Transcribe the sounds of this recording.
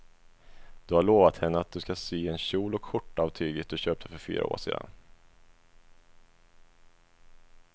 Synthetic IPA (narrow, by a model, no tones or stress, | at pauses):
d̪̥ɵhaɭoːvat̪hɛnːəat̪̚d̪ɵskasiːɛnɕuːlɔkʰʊʈːɑːvt̪ʰyːɡət̪̚d̪ɵɕøːp̚t̪əfœɾfy̰ːɾa̰o̰ːʂḛːd̪a̰n